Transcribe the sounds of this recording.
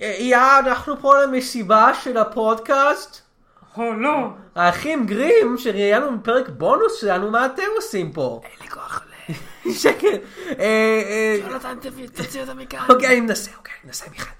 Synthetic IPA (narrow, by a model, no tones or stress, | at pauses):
ijaːnaχnupolamesibaʃelapo̞dkast | holohaːχimɡʁimʃeʁijanumipeʁekbo̞nusʃelanumaːte̞mosimpo̞̰likoaχleʃekele | lat̪ant̪emt͡siot̪amikaokeanimenaseokeaninasemiχad̥